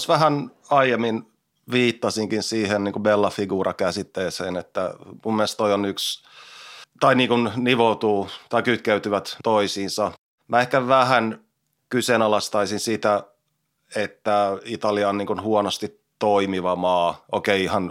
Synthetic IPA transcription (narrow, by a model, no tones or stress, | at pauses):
sʋæɦæn | ɑijemːin | ʋiːt̪ːɑsiŋkinsiːhenniːŋkubelːɑfiɡuːɾɑkæsit̪ːeːseːnet̪ːæmumːiest̪oionyks | t̪ɑiniːŋkunniʋot̪uːt̪ɑikyt̪køyt̪yʋæt̪toisiːnsɑ | mæehkæʋæhæn | kysenɑlɑst̪ɑisinsit̪æ | et̪ːæit̪ɑliɑnniːŋkunhuonost̪itː | oimiʋɑmɑːʔokeiihɑn